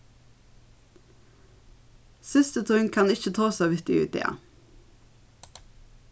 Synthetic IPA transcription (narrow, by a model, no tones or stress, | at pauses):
sʏst̪ət̪ʰʉŋkʰɑnɪçət̪ʰɑːsɑːʋɪt̪ɪʉ̰ːt̪̚ḛːɑ̰